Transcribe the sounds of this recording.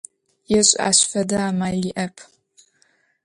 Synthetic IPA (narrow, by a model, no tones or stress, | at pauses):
jɛɕʼa̰ːɕfɐdɐaːmaːɮiʔɐpʰ